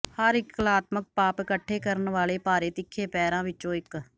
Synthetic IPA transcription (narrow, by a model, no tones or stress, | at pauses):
həɾɪkːəlaːt̪mək̚paːpɪkəʈʰːeːkəɾənʋaːleːpaːɾeːt̪ɪkʰːeːpɛːɾãːʋɪt͡ʃːt͡ʃːõːɪk